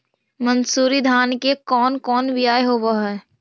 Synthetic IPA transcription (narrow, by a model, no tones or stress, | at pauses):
mənsuːɾid̪ʱaːnkekɔːnkɔːnʋɪaːjeɦoʋoɦɛː